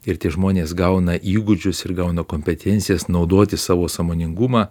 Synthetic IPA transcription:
ɪɾt̪ʲɪʒmoːnʲeːsɡɐʊnɐʔiːɡʊd͡ʒʲʊsɪɾɡɐʊnɐkoːmʲpʲɛt̪ʲɛnt̪sʲɪjɛsnɒʊd̪oːt̪ʲɪsɑːʋoːsɐmoːnʲɪŋɡʊmɑː

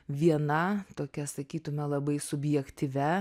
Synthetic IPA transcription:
ʋʲiɛnɐt̪oːkʲɛsɐkʲiːt̪ʊmʲɛlˠɐbɐɪsʊbʲjɛkt̪ʲiʋʲɛ

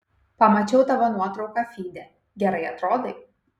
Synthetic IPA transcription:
pɐmɐt͡ʃʲɛʊt̪ɐʋɐnuɔt̪ɾɒʊkɑfʲiːd̪ʲɛ | ɡʲɛɾɐɪɐt̪ɾoːd̪ɐɪ

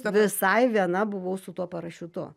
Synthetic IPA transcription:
ʋʲɪsɐɪʋʲiɛnɐbʊʋɐʊsʊt̪uɔpɐɾɐʃʲʊt̪ʊ̰

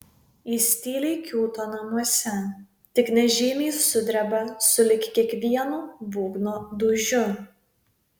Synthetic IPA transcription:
iːsʲt̪ʲiːlʲɛɪkʲuːt̪oːnɐmuɔsʲɛ | t̪ʲɪknʲɛʒʲɪːmʲiːsʊd̪ʲɾʲɛbɐsʊlʲɪkʲkʲiɛkʋʲiɛnuːʋuːɡnoːd̪ʊʒʲʊ

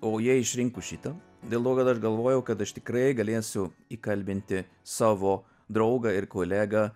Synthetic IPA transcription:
oːjiɛɪʃʲɾʲɪŋkʊʃʲɪt̪ɐ | d̪ʲeːlˠt̪oːkɐt̪ɐʃɡɐlˠʋoːjɛʊkɐt̪ɐʃt̪ʲɪ̥kɾɐɪɡɐlʲeːsʲʊiːkɐlʲbʲɪnʲt̪ʲɪ | sɑːʋoː | d̪ɾɐʊɡɐɪrkoːlʲæːɡɐ

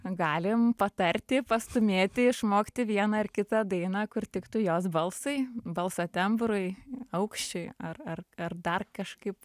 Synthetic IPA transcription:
ɡɑːlʲɪmpɐt̪ɐrʲt̪ʲɪpɐst̪ʊmʲeːt̪ʲɪɪʃmoːkt̪ʲɪʋʲiɛnɑɪrkʲɪt̪ɑːd̪ɐɪnɑːkʊrt̪ʲɪkt̪ʊjoːsbɐlˠsɐɪbɐlˠsoːt̪ʲɛmbɾʊɪɐʊkʃʲt͡ʃʲʊɪɐrɐrɐrd̪ɐrkɐʃkɐɪp

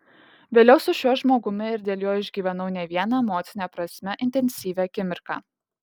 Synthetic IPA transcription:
ʋʲeːlʲɛʊsʊʃʲuɔʒmoːɡʊmʲɪɪɾd̪ʲeːlʲˠjoːjɪʒʲɡʲiːʋʲɛnɐʊnʲɛʋʲiɛnɑmoːt̪sʲɪnʲɛːpɾɐsʲmʲɛʔɪnʲt̪ʲɛnʲsʲiːʋʲæːkʲɪmʲɪɾkɑ̰ː

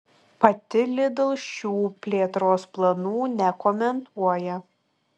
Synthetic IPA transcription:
pɐt̪ʲɪlʲɪd̪ʊlˠʃʲuːpʲlʲeːt̪ɾoːsplˠɐnuːnʲɛkɔmʲɛnt̪uɔjɛ

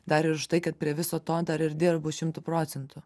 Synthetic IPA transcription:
d̪ɐɾɪɾʊʃt̪ɐɪkɐt̪̚pʲɾʲiɛʋʲɪsoːt̪oːd̪ɐɾɪɾʲd̪ʲɪrbʊʃʲɪmt̪ʊpɾoːt̪sʲɛnt̪ʊ

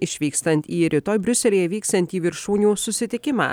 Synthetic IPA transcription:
ɪʃʲʋʲiːkst̪ɐnʲt̪ʲiːɾʲɪt̪oːjbʲɾʲʊsʲɛlʲiːjɛʋʲiːkst̪ɐnt̪ʲiːʋʲɪɾʃuːnʲuːsʊsʲɪt̪ʲɪkʲɪmɑ̰ː

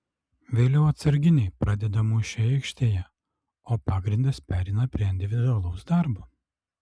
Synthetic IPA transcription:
ʋʲeːlʲɛʊɐt̪sɐɾʲɡʲɪnʲɛɪpɾɑd̪ʲɛd̪ɐmuːʃʲɛɪkʃʲt̪ʲeːjɛ | oːpɑːɡɾʲɪnd̪ɐspʲæːɾʲɛɪnɐpʲɾʲiɛɪnʲd̪ʲɪʋʲɪd̪ʊɐlˠɐʊsd̪ɑɾbuː

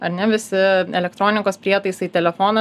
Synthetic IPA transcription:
ɐɾnʲɛʋʲɪsʲɪɛlʲɛkt̪ɾoːnʲɪkoːspʲɾʲiɛt̪ɐɪsɐɪt̪ʲɛlʲɛfoːnɐ

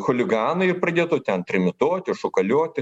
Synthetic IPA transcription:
xʊlʲɪɡɑːnɐɪɪpɾɐd̪ʲeːt̪ʊt̪ʲɛnt̪ʲɾʲɪmʲɪt̪oːt̪ʲɪʃʊkɐlʲoɔt̪ʲɪ

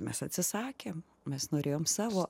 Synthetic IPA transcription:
mʲɛsɐt̪ʲsʲɪsɑːkʲeːm | mʲɛsnoːɾʲeːjoːmsɑːʋoː

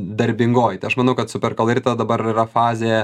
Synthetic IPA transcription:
d̪ɐɾʲbʲɪŋɡoːjt̪ɐɪɐʃmɐnɐʊkɐt̪sʊpʲɛrkɐlˠɪɾʲt̪ɐd̪ɐbɐɾɪɾɐfɑːzʲejɛ

